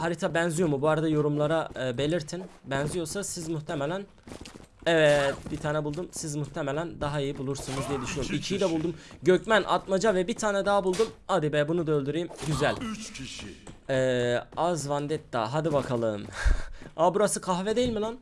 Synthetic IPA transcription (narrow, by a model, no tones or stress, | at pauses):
haɾit̪ʰabænzyjo̞mubuaɾad̪ajo̞ɾumlˠaɾabe̞lʲiɾt̪ʰinbænzijo̞ɾsasizmuht̪ʰemelʲæn | ɛvɛt̪̚bit̪ʰaːnɛbulˠd̪umsizmuht̪ʰemelʲænd̪aɦaijibulˠuɾsunuzd̪ijɛd̪yʃynjoɾumicʰijid̪ɛbulˠd̪umɟøcmænʔa̰t̪mad͡ʒavɛbit̪ʰaːnɛd̪aːbulˠd̪umad̪ibɛbunud̪aølʲd̪yɾejimɟyzælʲ | ɛːazvand̪ɛt̪̚d̪a̰ɦad̪ibakʰalˠɯːm | abuɾasɯkʰaɦvɛd̪eilʲmilˠan